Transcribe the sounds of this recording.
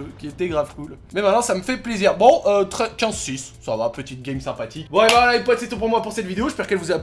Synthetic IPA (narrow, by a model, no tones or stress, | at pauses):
økʲiɛt̪ɛɡʁafkul | mɛmɛ̃t̪nːɑ̃saməfɛpleziʁbɔ̃ʔøt̪χɛkɑ̃sis | savapət̪it̪̚ɡʲɛmsɛ̃pat̪ikbɔ̃ebawalaipɔt̪set̪ɔ̃p̬uʁmwapuʁsɛt̪vid̪eoʒəspɛʁkɛlvuza